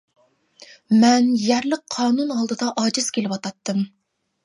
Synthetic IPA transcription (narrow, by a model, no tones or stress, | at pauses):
mɛnjæɾlɪk̚qʰːɑːnunɑlˠd̪ɨd̪ɑʔɑːd͡ʒɨz̥kʲelɪwɑt̪ɑt̪ːɨm